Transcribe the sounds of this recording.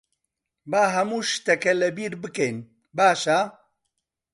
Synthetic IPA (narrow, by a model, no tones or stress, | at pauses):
baːɦɐmuːʃt̪ɐkɐlɐbiːɾbɨkejn | baːʃa